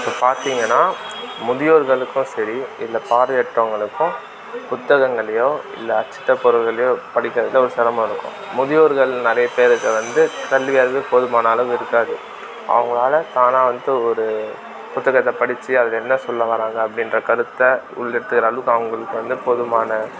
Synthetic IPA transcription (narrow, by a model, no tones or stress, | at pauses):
ɪpːɐpaːɾt̪iːŋɡɐnːaːmʊðɪjoːɾɣɐɭɯkːʊ̃sɐɾiɪlːɐpaːɾɐjɛʈɾɐŋɡɐɭɯkːʊ̃ | pʊt̪ːɐɣɐŋɡɐɭɐjõːɪ̰lːɐːt͡ʃːɪ̥ʈːɐpɔɾɯlɣɐɭɐjõːpɐɽɪkʲːɾɐðɪlːɐɔɾɯsɐɾɐmɐ̃ɪɾɯkːʊ̰̃ | mʊðɪjoːɾɣɐɭnɪɾɐjɐpeːɾɯkːɐʋɐnd̪ɯkɐɭʋɪjaːɾɐʋeːpɔðɯmaːnɐːlɐʋɯɪɾɯkːaːðɯ | ʔɐ̰ʋɐŋɡɐɭaːlɐt̪aːnaːʋɐnd̪ɯɔɾɯ | pʊt̪ːɐɣɐt̪ːɐpɐɽɪt͡ʃːɯɐðɯlɛnːɐsɔlːɐʋɐɾaːŋɡɐːpːɐɽɪndrɐkɐɾɯt̪ːɐ | ʊ̰ɭːɛɽɯt̪ːɯkɪɾaːɭʋɯkːɐʋɐŋɡɐɭɯkːɯʋɐnd̪ɯpɔðɯmaːnɐ